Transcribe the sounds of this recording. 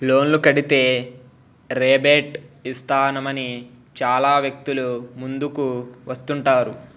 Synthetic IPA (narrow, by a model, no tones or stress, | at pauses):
lo̞ːnlukɐɽit̪e̞ː | ɾeːbeːʈist̪ʰaːnɐmɐni | t͡ʃaːlaːʋjɐk̚t̪ulumund̪ukuʋɐst̪uɳʈaːɾu